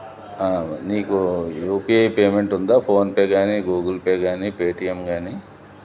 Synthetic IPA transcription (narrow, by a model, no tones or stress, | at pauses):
aːniːkujuːpiejpeːmeɳʈund̪aːpʰoːnpeːɡaːniɡuːɡilpeːɡaːniːpeːʈijemɡaːni